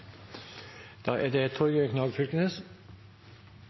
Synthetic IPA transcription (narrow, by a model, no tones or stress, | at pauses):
d̪̥ɑːʔæːd̪eːt̪ʰɔɾɡøːkʰnɑːɡfʏlkənəs